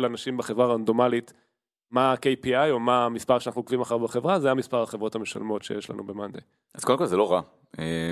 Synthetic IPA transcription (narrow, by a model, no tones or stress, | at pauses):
lanaʃimbeχevʁaʁand̪o̞malit | makejpiajo̞mamispaʁʃanaχnukvimaχaʁbeχe̞vʁazajamispaʁaχevʁo̞thameʃa̰lmo̞tʃejeʃla̰nube̞mand̪ej | az̥kodemkolzelo̞ʁa | e